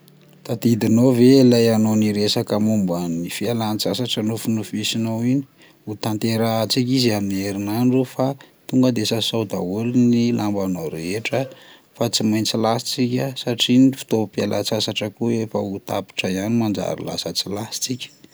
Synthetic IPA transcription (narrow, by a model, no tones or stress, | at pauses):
t̪ad̪id̪inoveilajanoniɾesakəmumbanifialant͡sasaʈ͡ʂənufunufisinowini̥ | ut̪ant̪eɾat͡sik̬ʲiziamneɾinanrufat̪uŋɡəd̪esasowd̪a̰wulinilʔambanowɾeeʈ͡ʂə | fat͡simajnt͡silasi̥t͡sikʲəsaʈ͡ʂinifi̥t̪opialʔa̰t͡sasaʈ͡ʂəkuefəut̪a̰pi̥ʈ͡ʂəjanimand͡ʒa̰ɾḭla̰sət͡silasi̥t͡sikʲə̥